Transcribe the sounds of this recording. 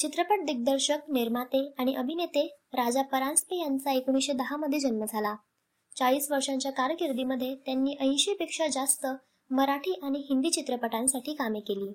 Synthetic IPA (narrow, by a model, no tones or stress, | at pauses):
t͡ɕit̪ɾəpəʈ̚d̪iɡ̚d̪əɾɕəkniɾmat̪eaɽ̃iʔəbʱinet̪eɾad͡zapəɾanspejant͡saekuɽ̃iɕed̪əɦaməd̪ʱːjed͡ʑənməd͡zʱala | t͡saɭiːsʋəɾʂaɲt͡ɕjakaɾkiɾd̪iməd̪ʱːjet̪janːiːʔə̃j̃ɕepekʂad͡zast̪ə | məɾaʈʰiːʔaɽ̃iɦind̪iːt͡ɕit̪ɾəpəʈãnsaʈiːkamekeliː